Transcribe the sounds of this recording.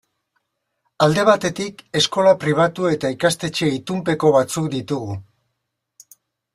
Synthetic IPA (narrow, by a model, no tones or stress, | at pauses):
ald̪e̞β̞at̪e̞t̪ike̞sko̞lapɾiβ̞at̪ue̞t̪aikast̪e̞t͡ʃe̞it̪umpe̞ko̞β̞at͡sukd̪it̪uɣu